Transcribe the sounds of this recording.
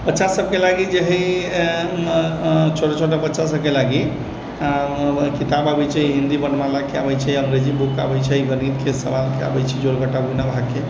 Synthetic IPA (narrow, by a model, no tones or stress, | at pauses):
pətːt͡ʃasəb̚kelaɡid͡ʒeɦi | t͡ʃʰoʈat͡ʃʰoʈ̬apətːʃʰasəb̚kelaɡi | kit̪ababɛt͡ʃʰɛiɦind̪ibənmalakeabɛt͡ʃʰɛəŋɡɾed͡ʒibuka̰bɛt͡ʃʰɛiɡəɾit̪kʰesəʋalkea̰bɛt͡ʃʰɛd͡ʒolɡəʈabunabʱakːe